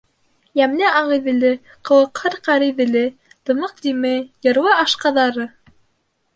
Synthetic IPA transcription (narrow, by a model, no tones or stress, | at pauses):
jæmnɘɑʁɤ̆jðɘ̆lɘ | qɤ̆lˠɤ̆qhɤɾqɑɾɘ̆jðɘ̆lɘ | t̪ɤ̆mɤq̚d̪imɘjɤ̆ɾwɑɑʃqɑðɑɾɤ